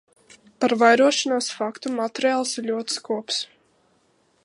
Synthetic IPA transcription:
paɾvajɾuɔʃanaːsfakt̪umat̪ɾialˠsiɾʎʲuɔt̪skuɔps

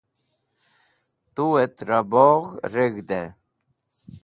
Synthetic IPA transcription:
t̪uet̪ɾaboʁɾeɡd̪e

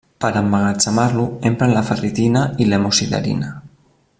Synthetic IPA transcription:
pəɾambaɣat͡samaɾluempɾanlafərit̪inailemosila̰ɾḭna

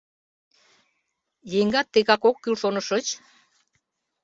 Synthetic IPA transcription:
jeŋɡɑt̪ːeɣɑkokːylʃonəʃət͡ɕ

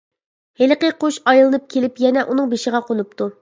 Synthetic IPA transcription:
helqəqoʃɑjlˠɨnɨp̚kʲʰelɪpjɛnɛʔun̪ɨŋbeʃɪʁɑqʰonupt̪u

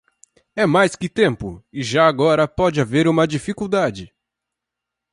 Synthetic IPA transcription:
ɛmajskɪt̪ẽmpʊ̰ɪʒaaɡɔɾɐpɔd͡ʒɪaveɾũmɐd͡ʒifikuwd̪ad͡ʒɪ

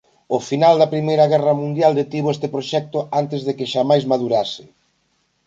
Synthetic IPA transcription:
ʊfinald̪ɐpɾimejɾɐɣɛrɐmũnd̪jald̪et̪iβoɛst̪ɪpɾoʃɛk̚t̪ʊant̪ɪzðekɪʃamajzmaðuɾasɪ

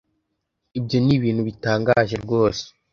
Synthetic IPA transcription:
ibjo̞niβiːn̥huβitaːŋɡaːʒe̞ɾɡo̞ːse̥

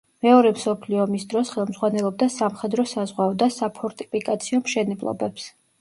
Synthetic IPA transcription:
mɛɔɾɛmsɔpʰliɔmisd̪ɾɔsχɛlˠmzʁwanɛlˠɔb̚d̪asamχɛd̪ɾɔsazʁwaɔd̪asapʰɔɾt̪ʼi̥pʰikʼat̪sʰiɔmʃɛnɛblˠɔ̰bɛps

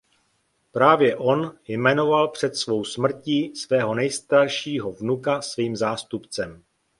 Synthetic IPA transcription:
pɾaːvjɛʔo̞njmɛno̞valpr̝̥ɛt̪svo̞wsmr̩ciːsvɛːɦo̞nɛjst̪aɾʃiːɦo̞vnukasviːmzaːst̪upt͡sɛm

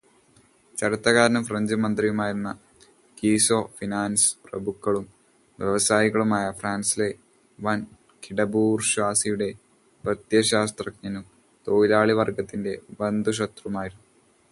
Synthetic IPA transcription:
t͡ɕɐɾut̪ːɐɣaːɾɐnɐmfrɐɲd͡ʑɨmɐnd̪rijumaːjiɾunːɐ | kiːso̞ːfinaːnsprɐbukːɐɭum | ʋjeʋɐsaːjiɣɐɭumaːjɐfraːnsile̞ | ʋɐn | kiɽɐbuːrɕʋaːsijuɽe̞ | pɐt̪jɐɕaːst̪rɐk̚ɲɐnum | t̪oːilaːɭiʋɐrɡɐt̪ːinde̞bɐnd̪uɕ̬ɐt̪rɐmaːjiɾunːu

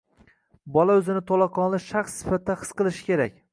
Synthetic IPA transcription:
bɒlaɵzɪnɪt̪ʰolˠɑqʰɒnlˠɪʃaχsːɪ̥fat̪̚ːaχɨ̥sqɨlˠɪʃɪ̥kʲe̞ɾakʲ

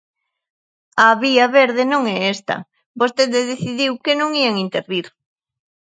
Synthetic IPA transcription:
ɐβiɐβeɾðɪnõŋɛest̪ɐ̰ | bost̪eðɪðeθiðiwkenõŋieŋint̪eɾβiɾ

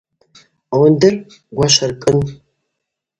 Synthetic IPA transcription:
wʊndɨr | ɡʷaʃɐrkʼɨn

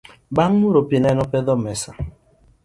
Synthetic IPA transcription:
baŋ̩nuɾopenenɔpeðɔmesa

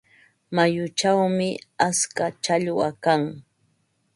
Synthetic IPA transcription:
majʊt͡ʃawmɪaskat͡ʃaʎʊakaŋ

